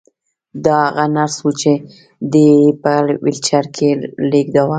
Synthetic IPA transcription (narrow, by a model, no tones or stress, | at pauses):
d̪ɑaɣanaɾswut͡ʃe | d̪epəwɪlt͡ʃaɾkʰelekd̪awa